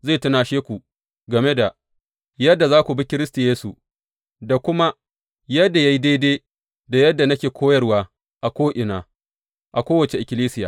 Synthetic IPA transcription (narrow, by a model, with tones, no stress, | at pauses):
zeː˦˨tɐ˦naː˨ʃeː˦kʷu˨ | ɡɐ˨me˦da˨ | jɐ˦dːa˨zaː˦kʷu˨bi˦kʲɪ˦ɾɪ˦sta˨jeː˦su˨ | da˨kʷʊ˦ma˦ | jɐ˦dːa˨ja˦ji˦deː˦deː˦ | da˨jɐ˦dːa˨nɐ˦kʲeː˨kʷʰoː˦jɐ˦rwaː˦ | ʔa˨kʷoː˦ʔɪ˨naː˨ | ʔa˨kʷoː˦wɐ˨t͡ʃe˨ʔɪ˨kʲɪ˨liː˦sɪ˦jaː˨